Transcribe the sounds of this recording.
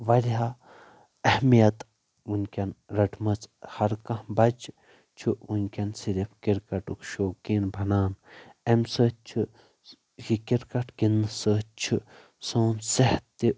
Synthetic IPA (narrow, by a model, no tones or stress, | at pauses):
ʋɐɾʲɦa | ɐhmijɐt̪ | unʲkʲɐnɾɐʈʰmɐt͡shɐɾkɐ̃hbɐd͡ʒ | t͡ʃʰuunʲkʲɐnsiɾipʰkiɾkɐʈukʃoːkiːnbʱɐnaːnemsət͡ʃʰu | kikiɾkɐʈɡinɨsəːt͡ʃʰu | soːnseht̪ːi